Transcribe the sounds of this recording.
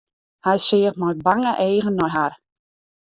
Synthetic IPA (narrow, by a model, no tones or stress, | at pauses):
hɛjsɪːəχtmɔj̚baŋəʔeːɣənːɔjɦar